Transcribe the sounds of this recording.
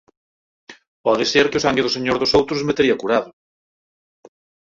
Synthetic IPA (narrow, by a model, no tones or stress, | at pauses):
pɔðɪseɾkɪʊsaŋɡɪðʊseɲoɾðʊsowt̪ɾʊszmet̪eɾiɐkuɾaðʊ